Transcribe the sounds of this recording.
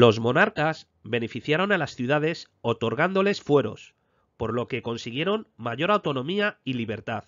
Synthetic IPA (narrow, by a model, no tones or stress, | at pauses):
lo̞zmo̞naɾkas | βe̞ne̞fiθjaɾo̞nalasθjuð̞að̞e̞s | o̞t̪o̞ɾɣand̪o̞le̞sfwe̞ɾo̞̰s | po̞ɾlo̞ke̞ko̞nsiɣ̞je̞ɾo̞nmaʝo̞ɾawt̪o̞nõ̞miailiβe̞ɾt̪að